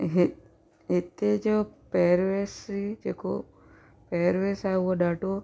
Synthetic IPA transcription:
ɦe | et̪ed͡ʒopeɾʋesid͡ʒekʰo̰ | peɾʋesaoɖaʈo

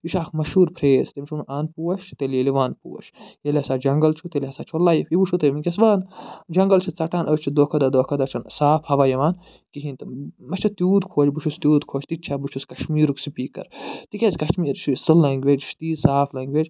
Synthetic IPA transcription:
iʃaːxmɐʃuːɾpʰɾeːzt̪emɐʃʰuɾmʔaːnpuːwɐʃt̪eleliʋaːnpṵwɐ̰ʃjelʲihɐsaːd͡ʒɐŋɡɐlt͡ʃʰut̪eliɦɐsaːt͡ʃʰolːaːjipibuʃʰut̪ɐmikʲesʋaːnd͡ʒɐŋɡɐlt͡ʃʰit͡sɐʈaːnʔət͡ʃʰid̪oːkʰɐd̪ad̪oːkʰɐd̪at͡ʃʰɐnsaːpʰhɐʋaːjɐʋaːn | kiɦĩnt̪ɐmɐt͡ʃʰɐt̪juːd̪kʰoːt͡ʃbut͡ʃʰust̪juːd̪kʰoːt͡ʃʰt̪it͡ʃʰabut͡ʃʰuskɐʃmiːɾuksipiːkɐ̰ɾt̪ikʲezkɐʃmiːɾt͡ʃʰusɨlːɐŋɡʋed͡ʒʃt̪iːsaːplɐŋɡʲʋed͡ʒ

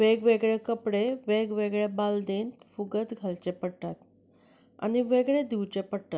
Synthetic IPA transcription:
ʋeɡʋeɡɭekəpɽeʋeɡʋeɡɭebald̪ent̪fuɡət̪ɡʱalt͡ɕepəɽʈat̪ | a̰niʋeɡɭed̪iwt͡ɕepəɽt̪at̪

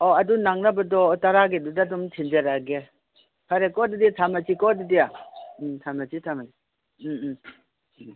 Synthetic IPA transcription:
ɔɐdunaŋnabɐdɔtaɾaɡedudadumtʰind͡ʒeɾaɡe | pʰaɾekɔdiditʰamat͡ʃikɔdidija | tʰamat͡ʃitʰamai

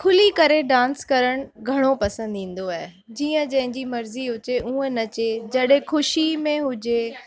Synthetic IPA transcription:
kʰʊlikɐɾeɖãːnskɐɾəɽ̃ʊɡʱɐɽ̃opɐsə̃nd̪ĩːn̆d̪oaːɦe | d͡ʑiːə̃d͡ʑɐ̃ɦɪ̃ɲd͡ʑimɐɾziɦʊt͡ɕeʔũːə̃nɐt͡ɕed͡ʑɐɗɦẽxʰʊʃimẽɦʊd͡ʑe

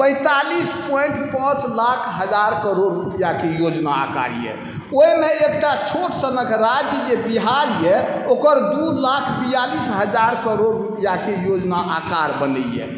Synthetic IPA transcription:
pə̃ɪ̃t̪alispɔiɳʈpãt͡ʃlakʰɦəd͡ʒaɾkəɾoɽːupijakejod͡ʒnaa̰ka̰ɾjɛ̰ | oimeekʈat͡ʃʰoʈsənəkʰɾad͡ʒjəd͡ʒebiɦaɾjɛokəɾd̪ulakʰbijalisɦəd͡ʒaɾkəɾoɾɾupijakejod͡ʒnaakaɾbənəjɛ̰

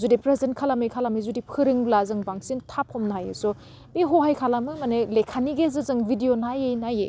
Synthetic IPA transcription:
zudipɾezenkʰalamɯjkʰalamizudipʰɯɾɯŋlazɯŋbaŋsintʰapʰɔmnɦajḛsɔ | beɦɔɦajkʰalamɯmanelekʰaniɡezɯzɯŋbʱidijonajejnajḛ

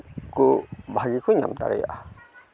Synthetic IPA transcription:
kubʱaɡikuɲa̰mt̪a̰ɾɛja̰ʔa

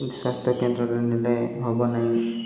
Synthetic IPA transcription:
swast̪ʰjɔkend̪ɾɔɾenilɔjɦɔbɔnaɦĩ

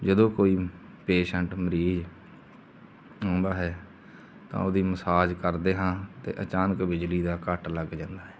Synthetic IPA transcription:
d͡ʒəd̪õːkoːiː | peːʃəɳʈməɾiːd͡ʒ | ɦõːnd̪aːɦɛː | t̪ã̰ːoːd̪iːməsaːd͡ʒkəɾd̪eːɦãːt̪ḛːʔət͡ʃaːnəkbɪd͡ʒliːd̪aːkəʈləɡd͡ʒãːnd̪aːɦɛː

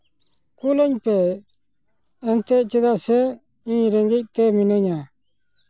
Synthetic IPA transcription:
kulɛɲpɛ | nt̪ɛʔt͡ʃid̪asɛ | ĩɲɾɛŋɡic̚t̪ɛminəɲa

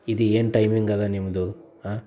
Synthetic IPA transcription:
id̪ieːnʈɐjmiŋɡɐlːanimɐd̪uɦa

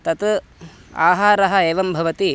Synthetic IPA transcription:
t̪ɐt̪ | a̰ːɦaːɾɐɦɐ̆eːʋɐmbʱɐʋɐt̪i

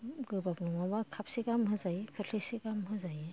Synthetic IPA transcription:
ɡɯbapnɔmabakʰapsiɡamɦɯzajkʰɯɬʰisikamɦɯzaj

